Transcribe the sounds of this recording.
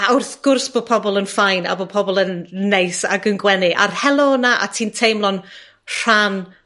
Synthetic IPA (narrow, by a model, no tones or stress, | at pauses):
aʊrθɡ̥ʊrsb̥oːpʰɔbɔlˠənfajna̰boːpʰɔbɔlˠənːejsa̰ɡənɡwɛnɪʔa̰rhɛlˠɔnaʔa̰tʰiːntʰejmlˠɔn | r̥an